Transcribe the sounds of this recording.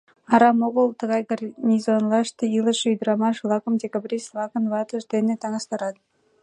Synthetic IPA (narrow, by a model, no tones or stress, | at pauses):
ɑɾɑmoʁəlˠt̪ɤ̆ɣɑjɡɑrnʲizonlˠɑʃt̪ɤilˠə̆ʃyjd̪ɾɑmɑʃlˠɑkəmdʲekabrʲislˠɑkə̆nvɑt̪ə̆ʒd̪enet̪ɑŋɑst̪ɑɾɑd̪